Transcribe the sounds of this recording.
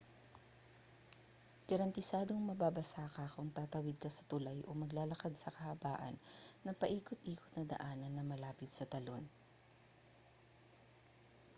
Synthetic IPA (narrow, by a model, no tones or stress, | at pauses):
ɡ̥ɐɾɐnt̪ɪsaːd̪o̞ŋmɐbaːbɐsaːkɐkʊŋt̪aːt̪ɐwɪd̪̚kɐsɐ̥t̪ʊlajʔomɐɡlaːlɐkad̪̚sɐkɐhɐba̰ːʔɐ̰nːɐŋpɐʔiːkʊt̪̚ʔiːkot̪nɐd̪ɐ̰ʔaːnɐnːɐŋmɐlaːpɪt̪̚sɐt̪ɐlo̞̰n